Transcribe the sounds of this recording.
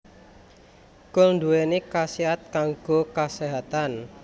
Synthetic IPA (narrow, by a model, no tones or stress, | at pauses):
kʊlɳduwenekasiat̪̚kaŋɡ̥okaseɦat̪an